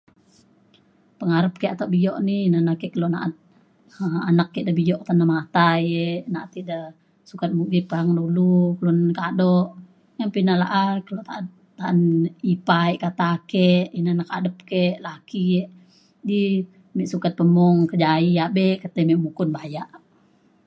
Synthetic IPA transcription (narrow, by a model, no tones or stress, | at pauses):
pəŋaɾəp̚kɛʔat̪aʔbijɔʔninanakɛʔkəlona̰ʔat̪̚ | əanakːeʔdabijɔʔt̪anamat̪ajenaʔat̪ida | sukat̪̚muɡit̪̚pəɦaŋdulukəlunkadɔʔ | japinala̰ʔakəlot̪aat̪̚ːaanipaiʔkat̪akeʔinanakadəp̚keʔlakieʔ | di | mɛʔsukat̪̚pəmɔŋkəd͡ʒaiabɛkət̪əmɛʔmukʊnbajaʔ